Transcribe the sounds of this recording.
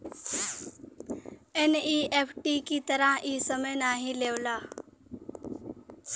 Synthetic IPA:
eniːepʰʈikit̪əɾãʔiːsəməjnaːɦĩleʋla

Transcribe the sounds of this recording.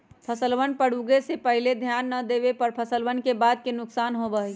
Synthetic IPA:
pʰəsəlʋənpəɽ̤uɡesepəɦiled̪ʱjanːəd̪ebepəɾpʰəsəlʋənkebaːd̪̚kenʊksaːnɦobəɦɛ

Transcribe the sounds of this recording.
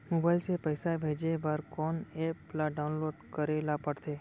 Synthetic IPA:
mobailsepəjsabʱed͡ʒebaɾkɔneplaɖaunloɖkəɾelapəɽt̪ʰe

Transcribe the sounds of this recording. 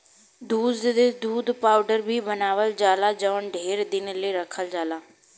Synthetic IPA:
d̪uːd̪d̪ed̪uːd̪paːʊɖəɾbʱiːbənaːʋəld͡ʒaːlaːd͡ʒaːəɳɖʱeːɾd̪ɪnləːɾəkʰəld͡ʒaːlaː

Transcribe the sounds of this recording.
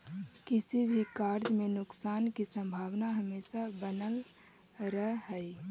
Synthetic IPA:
kɪsibʱikaːɾd͡ʒmẽnʊksaːnkisə̃mbʱaːwnaɦəmeːʃabənəl | ɾəɦɦɛi

